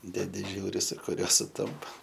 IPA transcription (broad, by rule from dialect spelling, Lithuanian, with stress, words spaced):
dʲɛˈdʲɪ ˈʒʲuːrʲɪ sʊ kʊˈrʲuɔ sʊˈtɐmpɐ